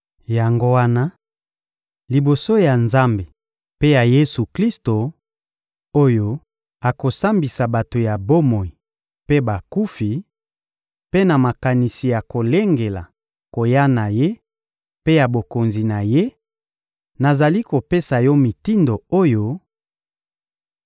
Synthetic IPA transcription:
ja˨ŋɡo˦wa˦na˦ | li˨bo˨so˦ja˨nza˦mbe˨ | pe˦ja˨je˦su˨kli˦sto˨ | o˦jo˦ | a˨ko˨sa˦mbi˨sa˨ba˨to˨ja˨bo˦mo˨i˨ | pe˦ba˨ku˦fi˨ | pe˦na˨ma˨ka˨ni˨si˨ja˨ko˨le˦ŋɡe˨la˨ | ko˨ja˦na˨je˦ | pe˦ja˨bo˨ko˨nzi˨na˨je˦ | na˨za˨li˦ko˨pe˦sa˨jo˦mi˨ti˦ndo˨o˦jo˦

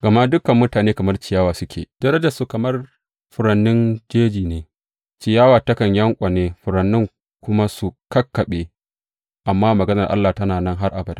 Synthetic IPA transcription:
ɡɐ˨ma˦dʊ˦kɐ˨mːʊ˦taː˨neː˦kɐ˨mɐ˦rt͡ʃɪ˨jaː˦waː˨sʊ˦kʲʰḛː˨d̥ɐ˦ɾɐ˦d͡ʒa˨su˨kɐ˨mɐ˦r | ɸʊ˨ɾɐ˨nːɪ˦nd͡ʒeː˦d͡ʒiː˨neː˨ | t͡ʃɪ˨jaː˦waː˨tɐ˦kɐ˨ɲjɐ˦ŋkʷʼɐ˨neː˦ɸʊ˨ɾɐ˨nːɪ˦ŋ | kʷʊ˦ma˦su˨kɐ˦kːɐ˨ɓeː˦ | ʔa˨mːaː˦mɐ˨ɡɐ˦nɐ˨rʔa̰˦lːaː˨tɐ˦naː˨nɐ˦ŋɦa˦rʔa˨bɐ˨da˨

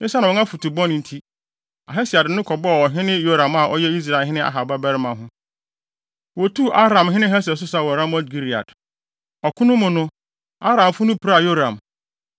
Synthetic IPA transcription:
nɪ̃˦sa˦nã˨ɔ̃˨˦ã˦fu˨tʰu˨bɔ̃˦ñ˨n̩˨tʰi˦ | a˨ɦɛ˦si˨a˨dnʊ̃˦kʰɔ˨bɔ˦˨wɔ˨ɦɪ̃˦nɪ̃˦jo˦ɾã˨ma˨ʔɔ̰˦jɛ˦i˦s̬ɾa˨ɪ˨ɦɪ̃˦nɪ̃˦ʔa̰˨ɦa˨ba˦bɛ˦ɾɪ˦mã˨ɦʊ̃˦ | wɔ˨tʰu˦ʔa˦ɾã˨mɦɪ̃˦nɪ̃˦ɦɛ˦s̬ɛ˨s̬ʊ˦sa˨wɔ˨ɾã˦mɔ˦dɡi˦ɾi˨a̰˨d | ɔ˨kʰʊ̃˦nʊ̃˦mʊ̃˨nʊ̃˦ | a˦ɾã˨m˨fʊ˦nʊ̃˦pʰi˨ɾa˦˨jo˦ɾã˨m

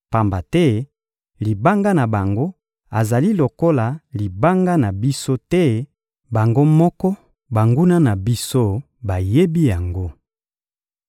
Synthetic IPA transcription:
pa˨mba˨tɛ˦ | li˨ba˦ŋɡa˦na˨ba˨ŋɡo˦ | a˨za˨li˦lo˨ko˦la˨li˨ba˦ŋɡa˦na˨bi˦so˦tɛ˦ | ba˨ŋɡo˦mɔ˦kɔ˦ | ba˨ŋɡu˦na˦na˨bi˦so˦ | ba˨je˦bi˦ja˨ŋɡo˦

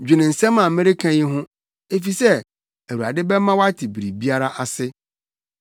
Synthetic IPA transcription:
d͡ʑᶣɪ˨nɪ̃˨n̩˨sɛ̃˦mã˨˦mɪ̃˦ɾe˦kʰã˦ji˦ɦʊ̃˦ | e˦fi˨sɛ˦ | æ˨wu˨a̰˨dɪ˦bɛ˦mã˦wa˦tʰɪ˨bi˨ɾi˨bi˦a˦ɾa˦ʔa˨sɪ˦

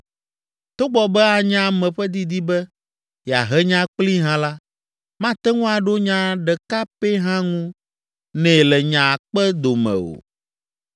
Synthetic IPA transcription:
t̪o˦ɡ͡bɔ˨bɛ˦a˨ɲã˦˨mɛ̃˨ɸɛ˦d̪i˦d̪i˦bɛ˦ | ja̰˨ɦɛ˦ɲã˦k͡pli˦ɦã˦la˦ | mã˦t̪ɛ˦ŋũ˦a˨ɖo˦ɲã˦ɖɛ˨ka˦pe˦ɦã˦ŋũ˦ | nɛ̃˨lɛ˨ɲã˨k͡pɛ˦d̪o˨mɛ̰̃˨o̰˨

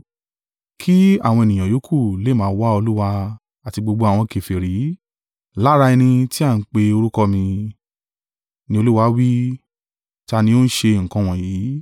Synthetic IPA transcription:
kʰi˦a̰˦˨w̃ɔ̃˧e˨nĩ˨j̃ã˨jo˨˦kʰu˦˨le˨˦mãː˨˦wa˦o˧lu˦wa˧ | a˨ti˧ɡ͡bo˧ɡ͡bo˧a˨w̃ɔ̃˧ke˨fi˨ɾi˨˦ | la˦ɾa˧ɛ˧nĩ˧ti˦a˦˨n̩˦k͡pe˧o˧ɾu˦kɔ˦mĩ˧ | nĩ˧˦o˧lu˦wa˧˦wi˦ | ti˦a˧nĩ˧o˦n̩˦ʃe˧˨ŋ̩˨kɔ̃˧w̃ɔ̃˨jiː˨˦

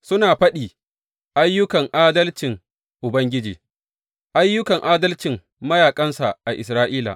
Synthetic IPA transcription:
sʊ˦naː˨ɸɐ˦ɗiː˨ | ʔa˦jːʊ˦kɐ˨ŋʔaː˦dɐ˦lt͡ʃɪ˨ŋ | ʔʊ˨bɐ˦ŋɡʲɪ˦d͡ʒḭː˨ | ʔa˦jːʊ˦kɐ˨ŋʔaː˦dɐ˦lt͡ʃɪ˨ŋ | mɐ˦jaː˨kʼɐ˦nsa̰˨ʔa˨ʔɪ˨sɾaː˦ʔiː˦la̰˨ʔ

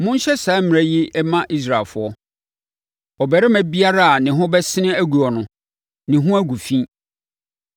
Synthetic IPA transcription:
mʊ̃˦n˦ɕɛ˦saː˨˦m̃˨ɾa˦ji˦ɛ˦mã˦ʔi˦s̬ɾa˨ɪ˨lfʊ˨ɔ˦ | ɔ˨bɛ˨ɾɪ˦mæ̃˨bi˦a˦ɾa˦a˨nɪ̃˨ɦʊ̃˦bɛ˦sɪ̃˦nɪ̃˦æ˦ɡu˨ɔ˨nʊ̃˨ | nɪ̃˨ɦʊ̃˦æ˦ɡu˨fĩ˦

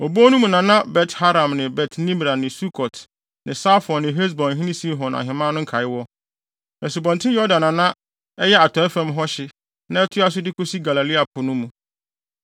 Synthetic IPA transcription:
o˨bo˦nũ˦mũ˨nã˨nã˦bɛ˨tha˦ɾã˨mnɪ̃˨bɛ˨tʰnĩ˦m˨ɾa˨nɪ̃˨su˦kʰɔ˨t | nɪ̃˨saː˦fɔ˨nɪ̃˨ɦe˦s̬bɔ̃˨nɦĩ˦nĩ˦si˦ɦɔ̃˨na̰˨ɦɪ̃˨mã˦nʊ̃˦ŋ˦kʰa˨ɪ˦wɔ˦ | nã˨s̬u˨bɔ̃˨ntʰɪ̃˦jɔ˦dã˨nã˨nã˦ | ɛ˦jɛ˦a˨tʰɔ̃˨˦ɛ˦fɛ̃˦mɦɔ˦ɕɪ˨ | nã˦ɛ˦tʰʊ˦a˦s̬ʊ˦dɪ˦kʰo˦si˦ɡa˨la˨li˦a˨pʰʊ˨nʊ̃˦mũ˨

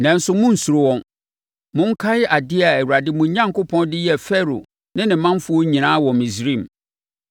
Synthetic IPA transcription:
nɛ̃˨n̩˦sʊ˨mʊ̃˦n̩˨su˨ɾʊ˦wɔ̃˦n | mʊ̃˦ŋ̩˦kʰa˦jɪ˦ʔa˨dɪ˦a˨ɛ˨wu˨ɾa˨dɪ˦mʊ̃˨˦ɲã˦ŋ˨kʊ˦pʰɔ̃˦ndɪ˦jɛ˦˨fɛ˦ɾo̰˨ | nɪ̃˦nɪ̃˨˦mã˦m˦fʊ˦ɔ˦ɲĩ˨nãː˦wɔ˨mĩ˨sɾĩ˦˨m˨

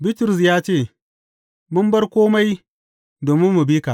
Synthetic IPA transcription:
bi˦tʊ˨ɾʊ˨s̬jaː˦t͡ʃeː˦˨ | mʊ˦mbɐ˦rkʷoː˦ma˦j | doː˨mɪ˦mːu˨biː˦kaː˨ʔ

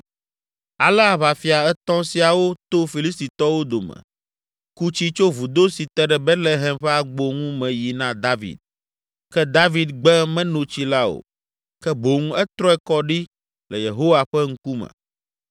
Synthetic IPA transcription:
a˨lɛ˦a˨βa˨fi˨a˨ɛ˦t̪ɔ̃˦si˨a˨wo˦t̪o˦fi˨li˦st̪i˨t̪ɔ˦wo˦d̪o˨mɛ̰̃˨ | ku˦t͡ɕi˦t͡ʃo˦vu˨d̪o˦si˨t̪ɛ˦ɖɛ˨bɛ˦t̪le˨ɦɛ˨mɸɛ˦a˨ɡ͡bo˦ŋũ˦mɛ̃˨ji˨nã˦d̪a˦vḭ˨d̪̚ | kɛ˦d̪a˦vi˦d̪ɡ͡bɛ˦mɛ̃˦nõ˨t͡ɕi˦la˦o̰˨ | kɛ˦bo˨ŋũ˦ɛ˦t̪ɾɔ˦ɛ˦kɔ˦ɖi˦ | lɛ˨je˨ɦo˦wa˨ɸɛ˦ŋ̩˦ku˦mɛ̰̃˨

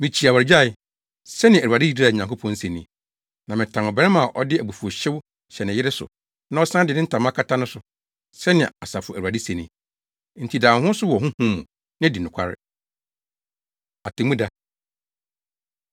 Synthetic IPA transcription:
mĩ˨t͡ɕʰi˨a˨wa˨ɾɪ˨d͡ʑa˦˨ɪ˦˨ | sɛ˦nɪ̃˨æ˨ɾu˨a˨dɪ˦ji˨di˦a˨ɲã˨ŋko˦pʰɔ̃˦n̩˦se˨nḭ̃˦ | nã˨mɪ̃˨tʰã˨nɔ˨bɛ˦ɪ˦mã˨ʔɔ˦dɪ˦æ˨bu˨fu˨o˨ɕɪ˦w | ɕɛ˨nɪ̃˨jɪ˦ɾɪ˦sʊ̰˨ | nã˦ɔ˦sã˦dɪ˨nɪ̃˦n̩˦tʰã˨m˦ã˦kʰa˦tʰa˦nʊ̃˦sʊ˨ | sɛ˦nɪ̃˨a˨sa˨fʊ˨æ̰˨a˨di˦sẽ˨nĩ˦ | n̩˨tʰi˨dãː˨hʊ̃˦sʊ˦wɔ˨ɦʊ̃˦hũ˦mːũ˨ | nɪ̃˦di˨nʊ̃˨kʷʰa̰˦ɾɪ̰˨ | a˨tʰe˨mũ˦da˦

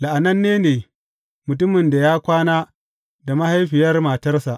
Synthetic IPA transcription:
la˨ʔa˨nɐ˦nːeː˦neː˨ | mʊ˨t̬ʊ˦mɪ˨nda˨jaː˦kʷaː˦naː˦ | da˨ma˦ha˦jɸɪ˨jɐ˦rma˨tɐ˦rsa˨ʔ

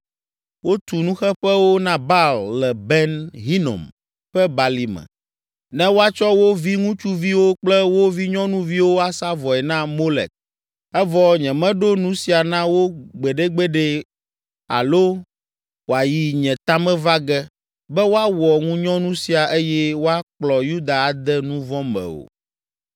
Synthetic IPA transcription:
wo˦t̪u˨nũ˦xɛ˦ɸɛ˦wo˦nã˦ba˦llɛ˨bɛ˦nɦi˦no̰˨m | ɸɛ˦ba˨li˨mɛ̰̃˨ | nɛ̃˦wo˦a˦t͡ʃɔ˦wo˦vi˦ŋũ˦t͡ʃu˦vi˦wo˦k͡plɛ˦wo˦vi˦ɲɔ̃˦nũ˦vi˦wo˦a˨sa˦vɔ˨ɛ˨nã˦mo˦lɛ̰˨k̚ | ɛ˦vɔ˨ɲɛ̃˨mɛ̃˦ɖo˦nũ˦si˨a˨nã˦wo˦ɡ͡bɛ˨ɖe˦ɡ͡bɛ˦ɖɛ˦ | a̰˨lo˦ | wo˨a˨ji˨ɲɛ̃˨t̪a˦mɛ̃˦va˦ɡɛ˦ | bɛ˦wo˦a˦wɔ˨ŋũ˦ɲɔ̃˦nũ˦si˨a˨ʔe˦jɛ˦wo˦a˦k͡plɔ˨ju˦d̪a˨a˨d̪ɛ˦nũ˦vɔ̃˦mɛ̰̃˨o̰˨

